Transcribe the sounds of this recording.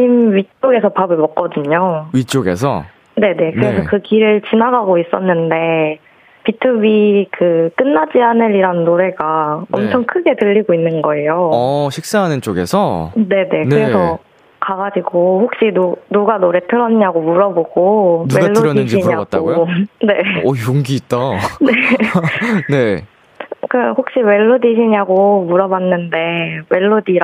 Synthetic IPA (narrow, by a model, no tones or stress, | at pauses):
imɥit͡ɕ͈oɡe̞sʰʌpabɯɭmʌk̚k͈ʌdɯɲoɥit͡ɕ͈oɡe̞̰sʰʌ̰ | ne̞ne̞kɯɾe̞sʰʌkɯkiɾɯɭt͡ɕinaɡaɡois͈ʌnːɯnde̞ | pitʰubikɯk͈ɯnːad͡ʑianɯɾiɾanːoɾe̞ɡaʌmt͡ɕʰʌŋkʰɯɡe̞tɯʎːiɡoinːɯnɡʌe̞joɕʰik̚s͈aɦanɯnt͡ɕ͈oɡe̞̰sʰʌne̞ne̞kɯɾe̞sʰʌ | kaɡad͡ʑiɡoɸok̚ɕ͈inunuɡanoɾe̞tʰɯɾʌnɲaɡomuɾʌboɡ̥onuweaɭːoɯɾjʌnːɯd͡ʑiiɲaaɡtaoone̞ːjoŋɡiːt̚t͈ane | ne̞ | kɯhok̚ɕ͈iwe̞ɭːodiɕ̬ʰiɲaɡomuɾʌbanːɯnde̞we̞ɭːodiɾ